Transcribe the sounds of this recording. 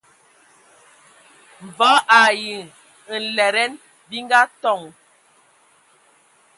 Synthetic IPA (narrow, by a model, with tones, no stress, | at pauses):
ɱ̩˨vɔ˨˦ʔa˨ji˨ | n̩˨lɛ˨ɾɛ˦n | bi˦ŋ˦ɡa˦tɔ˦˨ŋ